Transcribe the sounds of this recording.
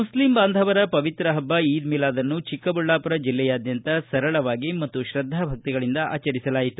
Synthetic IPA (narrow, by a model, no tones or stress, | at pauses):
muslimbaːnd̪ʱɐʋɐɾɐpɐʋit̪ɾɐɦɐbːɐiːd̪milaːd̪ɐnːut͡ʃikːɐbuɭːaːpɐɾɐd͡ʒilːɛjaːd̪jɐnt̪ɐsɐɾɐɭɐʋaːɡimɐt̪ːuʃɾɐd̪ʱːaːbʱɐk̚t̪iɡɐɭind̪ɐʔa̰ːt͡ʃɐɾisɐlaːjit̪u